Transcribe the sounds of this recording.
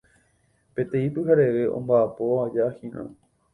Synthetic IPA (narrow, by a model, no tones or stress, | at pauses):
pe̞t̪ẽ̞ĩpɨɦaɾe̞ʋe̞ʔõ̰mbaːpo̞ad͡ʒahĩɾʔã̰